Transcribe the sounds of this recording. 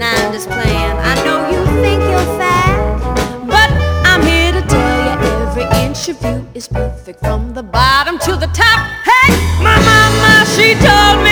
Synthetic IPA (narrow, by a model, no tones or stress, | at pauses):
naɪɪ̃md͡ʒʌspʰl̥æ̃na̰ɪnoʊjɨθɪ̃ŋkjə˞fæ | b̥ʌɾãɪ̃mhiɹɾɨtʰɛlˠjɨʔɛvɹiʔɪ̃ntə˞vjʉɨz̥pʰɜ˞fɪk̚tfɹʌ̃mðəbɑɾə̃mtʰɨðətʰɑp̚heɪmaɪmɑməʃitʰoʊlˠd̚mi